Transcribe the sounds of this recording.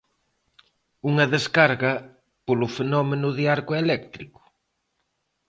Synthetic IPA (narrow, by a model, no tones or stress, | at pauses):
uŋɐðeskaɾɣɐ | polʊfenɔmenʊðiaɾkoelɛkt̪ɾikʊ̥